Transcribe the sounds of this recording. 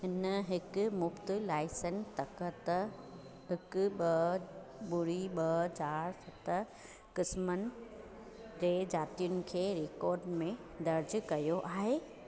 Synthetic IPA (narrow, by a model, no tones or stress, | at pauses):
ɦɪnəɦɪkʊ̆mʊbt̪ɪlaːɪsənst̪ɐkt̪ɐ | ɦɪkʊ̆ɓɐ | ɓʊɽiɓɐt͡ɕaːɾsɐt̪ | kɪsmənɪ̆ | d͡ʑeːd͡ʑaːt̪ijʊnɪ̆kʰeːɾeːkɔːɾɖmẽ | d̪ɐɾd͡ʑʊkɐjoʔaːɦeː